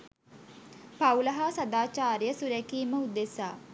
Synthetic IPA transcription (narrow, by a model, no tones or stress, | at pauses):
pawləɦasad̪aːt͡ʃaːɾijəsuɾɛkiːməud̪esaː